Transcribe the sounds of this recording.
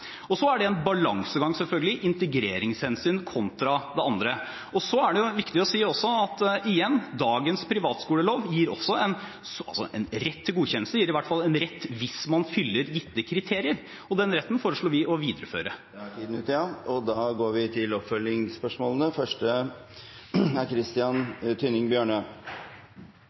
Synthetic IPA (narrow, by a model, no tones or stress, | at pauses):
ɔsɔæɖɛɛnbɑlɑŋsəɡɑŋsɛlfœlɡəlɪʔɪnt̪əɡɾeːɾɪŋshɛnsyːnkʰɔnt̪ɾɑd̪ɛɑnd̪ɾə | ɔsɔæɖɛjʊʋɪkt̪ɪɔsiːɔsːɔɑt̪ɪjɛnːd̪ɑːɡənspʰɾɪʋɑːt̪skuːləloːʋjiːɾɔ̰sːɔɛn | sɑ̰lsɔ̰ʔɛ̰nɾɛt̪ʰːɪlɡuːçɛnːəlst̪əjiːɾɪʋæʈːfɑlɛnɾɛt̪ːʋɪsmɑnfʏlːəɾjɪt̪ːəkʰɾɪt̪ʰeːɾɪəɾ | ɔd̪ɛnɾɛt̪ːən̩foːɾəʂɭoːʋɪʔɔʋiːd̪əɾəfø̰ːɾəæʈʰiːd̪n̩ʉːt̪ɑɔd̪ɑːɡoːɾʋɪt̪ʰɪlɔpfœlɪŋspœʂmoːlənəfœʂʈə | æɾkʰɾɪst̪ɪɑnt̪ʰʏnɪŋbjøːɳə